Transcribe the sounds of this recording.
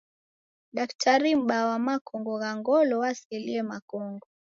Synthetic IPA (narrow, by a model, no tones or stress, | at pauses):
ɗaktʰaɾim̩ɓawamakɔŋɡɔɣaŋɡɔlɔwasɛliɛmakɔŋɡɔ